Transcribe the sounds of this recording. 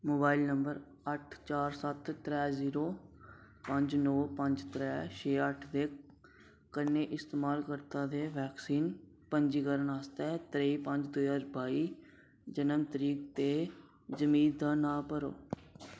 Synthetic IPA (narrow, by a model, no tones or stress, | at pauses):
moːbaːilnəmbəɾ | əʈʰt͡ʃaːɾsət̪ːɾɛːziːɾoː | pəɲd͡ʒnoːpəɲd͡ʒt̪ɾɛːt͡ʃʰeːəʈʰd̪eː | kənːeːʔɪst̪eːmaːlkəɾt̪ãːd̪eːʋɛːksiːn | pəɲd͡ʒiːkəɾənaːst̪ɛːt̪ɾeiːpəɲd͡ʒd̪uːjaːɾbaːiː | d͡ʒənəmt̪əɾiːkt̪eː | d͡ʒəmiːd̪aːnãːpəɾo̰ː